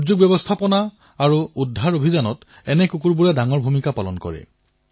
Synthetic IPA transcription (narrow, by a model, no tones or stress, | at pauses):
zuɡ̚bjɛbɔst̪ʰapɔnaː | ɹuudʱːaɹobʱizanɔt | ɛnɛkukuɹbuɹɛdaŋɔɹbʱumikapalɔ̰nkɔ̰ɹɛ̰